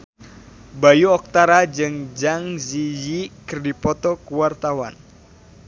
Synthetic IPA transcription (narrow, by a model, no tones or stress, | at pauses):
bajuɔk̚t̪aɾad͡ʒɨŋd͡ʒaŋzijikɨrdipɔt̪ɔkuwart̪awa̰n